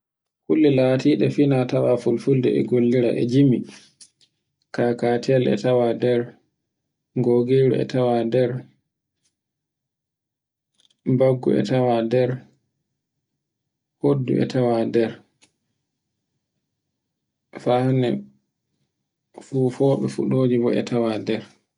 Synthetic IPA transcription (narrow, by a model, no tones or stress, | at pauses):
kulːilaːtiːɗɛfinatawafulfuldɛ̰ʔɛ̰ɡolːiɾaʔɛ̰d͡ʒimi | kakatialʔɛ̰tawadɛɾ | ŋɡoɡeɾuɛ̰tawadɛɾ | baɡːṵɛ̰tawadɛɾ | hodːṵʔɛ̰tʰawadɛɾ | fahnɛ̰ | fuːfɔːɓɛfṵɗoːd͡ʒibɔɛ̰tʰawadɛɾ